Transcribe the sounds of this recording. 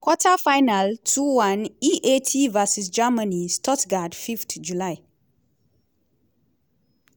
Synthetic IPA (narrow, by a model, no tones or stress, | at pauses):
kwɔtafajnaltʰuwãniʔetʰivasis̬d͡ʒamənistɔtɡadfiftd͡ʒulaj